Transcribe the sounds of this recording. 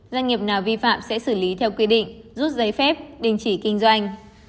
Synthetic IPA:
zwa˧ŋ̟ŋi˨˩əp̚naː˨˩wvi˧fa̰ː˧˨msɛ̰˧˥sɨ˧˩li˨˦t̪ʰɛ˧wkwi˧ɗḭ̈˧˨ŋ̟zu˦˥t̚zə˨˦jfɛ˦˥p̚ɗi˨˩ŋt͡ɕi˧˩kï˧ŋ̟zwa˧jŋ̟

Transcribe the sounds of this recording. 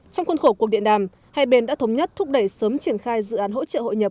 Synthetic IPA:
t͡ɕɔ˧wŋ͡mxə˧nxo˧˩kwk̚ɗi˧˨əɗaː˨˩m | ha̰˧˨jɓe˨˩nɗa̰ː˧˥t̪ə˨˦wŋ͡mɲə˦˥t̚t̪ʰʊ˦˥k͡p̚ɗə˧˩jsəː˨˦mt͡ɕi˧˩ənxaː˧jzɨ̰˧˨ʔaː˨˦nɦo̰˧˥t͡ɕə̰ː˧˨ho̰˧˨jɲə˨˩p̚

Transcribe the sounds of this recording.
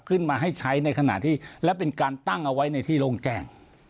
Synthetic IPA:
p̚kʰɯ˥˩nmaː˧ɦa˥˩jt͡ɕʰa˦˥jna˧jkʰa˧na̰˨˩t̪ʰiː˥˩lɛ˦˥wpe˧nkaː˧nt̪a˥˩ŋʔa˧wa˦˥jna˧jt̪ʰiː˥˩loː˧ŋt͡ɕɛː˧˩ŋ

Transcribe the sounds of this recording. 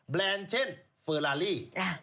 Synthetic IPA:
blɛː˧nt͡ɕʰe˦˥˩n | fəː˧laː˧liː˥˩a˥˩

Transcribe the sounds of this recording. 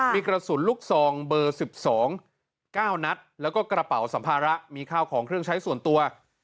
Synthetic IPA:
miː˧kɾa˧su˨˩˦nluː˥˩k̚sɔː˨˩ŋbɤː˧si˨˩p̚sɔː˩˦ŋ | kaː˥˩wna˦˥t̪̚lɛː˦˥wkɔː˥˩kɾa˧pa˨˩wsa˩˦mpʰaː˧ɾa˦˥ʔmiː˧kʰaː˥˩wkʰɔː˩˦ŋkʰɾɯ˥˩əŋt͡ɕʰa˦˥jsu˨˩ənt̪u˧ɐ

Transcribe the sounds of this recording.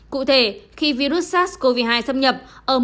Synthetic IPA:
kṵ˧˨t̪ʰe˧˩xi˧vi˧ɾu˦˥t̚saː˦˥t̚sko˧vi˧˩ɦaː˧jsə˧wŋ͡mɲə˨˩p̚ʔəː˧˩m

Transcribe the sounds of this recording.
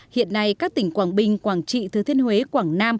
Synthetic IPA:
hḭ˧˨ənːa˧jkaː˦˥k̚t̪ï˧˩ŋ̟kwaː˧˩ŋɓï˨˩ŋ̟kwaː˧˩ŋt͡ɕḭ˧˨t̪ʰɨ˨˧˩t̪ʰi˧ənhwe˨˦kwaː˧˩ŋnaː˧m

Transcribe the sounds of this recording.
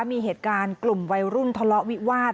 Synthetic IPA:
a˦˥miː˧ɦeː˨˩t̪̚kaː˧nklu˨˩mwa˧jɾu˥˩nt̪ʰa˧lɔ˦˥ʔwi˦˥waː˥˩t̪̚

